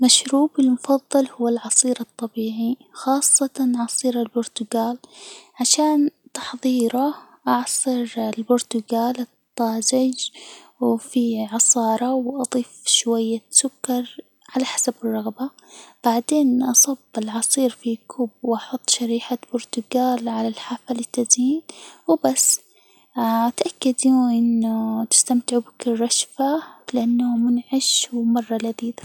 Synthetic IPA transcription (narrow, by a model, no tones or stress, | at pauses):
maʃɾuːbɪlmʊfɑðˤːɑlhʊwːalʕɑsˤiːɾɨt̪ˤːɑbiːʕixɑːsˤːɑt̪ɑnʔɑsˤiːɾalbʊɾt̪ʊɡaːlʕaʃaːnt̪ɑ̥ħðˤiːɾɑ | ʔɑʕsˤɨɾɪlbʊɾt̪ʊɡaːlɨt̪ˤːɑːzɪd͡ʒ | wfiʕɑsˤɑːɾˤɑwʔɑd̪ˤiːfʃwajːasʊkːɑɾˤ | ʕalaħḁsabɪrˤːɑɣba | b̥aʕd̪eːnʔɑsˤɑbːɪlʕɑsˤiːɾfikʰʊbwʔɑħʊt̪ˤːʃaɾiːħab̥ʊɾt̪ʊɡaːlʕalalħaːfalɪt̪ːaziːnwɪbasː | t̪ʔakːad̪uʔɪnːʊt̪ɪ̥st̪amt̪ɪʕubɪkrˤːɑʃfalɪʔanːamʊnʕaʃwmɑrˤːɑlad̪iːd̪ḁ